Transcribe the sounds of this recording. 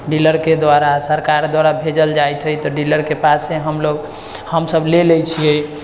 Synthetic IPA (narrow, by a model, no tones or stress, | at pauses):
ɖiləɾked̪waɾasəɾkaɾd̪waɾabʱed͡ʒəld͡ʒajt̪ʰɦəjt̪ɔɖiləɾkepaseɦəmloɡ | həmsəbleləjt͡ʃʰijə